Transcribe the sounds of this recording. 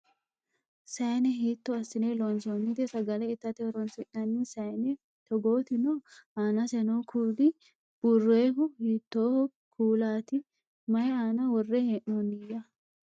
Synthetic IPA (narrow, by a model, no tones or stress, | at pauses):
sɐjnɛɦiːt̪ːɔɐsɪnelɔnsonːɪt̪ɛsɐɡɐlɛɪt̪ːɐt̪ɛɾɔnsɪʔnɐnːɪsɐjnɛ | t̪ɔɡoːt̪ɪnoːaːnɐsɛnokʰuːlɪ | b̥ʊrːeːɦʊhiːt̪ːoː | kʰuːlaːt̪ɪ | mɐjaːnɐwɔrːɛheːʔnonɪjɐ